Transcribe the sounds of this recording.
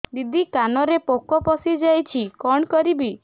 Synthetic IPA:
d̪id̪ʱikanɔɾepokɔpɔsid͡ʒajt͡ʃʰikɔɳkɔɾibi

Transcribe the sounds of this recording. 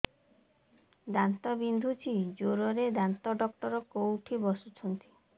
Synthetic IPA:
d̪ant̪ɔbind̪ʱut͡ʃʰid͡ʒoɾɔɾed̪ant̪ɔɖɔkʈɔɾɔkowʈʰibɔsut͡ʃʰɔnt̪i̥

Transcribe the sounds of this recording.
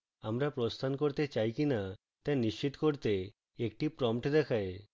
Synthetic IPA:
amɾapɾost̪ʰankoɾt̪et͡ɕajkina | t̪aniʃt͡ɕit̪koɾt̪e | ek̚ʈipɾɔmʈd̪ɛkʰae

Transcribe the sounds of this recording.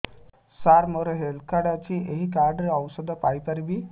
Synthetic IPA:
saɾmɔɾəɦelkʰaɽat͡ɕiʔeɦik̬aɾɖɾiəwsəd̪ʱəpajpəɾbi

